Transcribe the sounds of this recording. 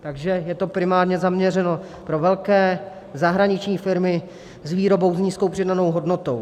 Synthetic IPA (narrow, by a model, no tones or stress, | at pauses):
t̪aɡʒɛjɛt̪o̞pɾɪmaːɾɲɛzamɲɛrɛno̞ | pɾo̞vɛlkɛː | zaɦɾaɲɪt͡ʃɲiːfɪɾmɪ | zviːɾo̞bo̞wzɲiːsko̞wpr̥ɪdano̞wɦo̞dno̞t̪o̞w